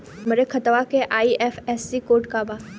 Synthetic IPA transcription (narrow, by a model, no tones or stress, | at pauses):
məɾekʰət̪ʋakeʔaːiʔɛːfɛːsːikoːɾʈkaːbaː